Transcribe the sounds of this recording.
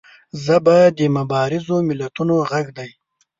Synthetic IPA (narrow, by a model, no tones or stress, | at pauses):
zəbɑjad̪ːəmabɑɾɪzomɪlat̪unoɣaɡd̪aj